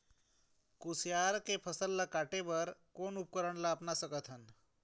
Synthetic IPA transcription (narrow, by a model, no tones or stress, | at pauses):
kusjaɾkepʰəsəlːakaʈeʋəɾkonup̚kəɾəɳlaːpnasəɡət̪ʰən